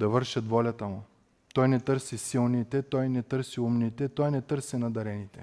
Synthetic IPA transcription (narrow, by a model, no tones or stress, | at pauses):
d̪ɐvɤɾʃɐt̪vɔlʲɐt̪ɐmu | t̪ɔjnɛt̪ɤɾsisilˠnit̪ɛt̪ɔjnɛt̪ɤɾsiumnit̪ɛt̪ɔjnɛt̪ɤɾsinɐd̪ɐɾɛnit̪ɛ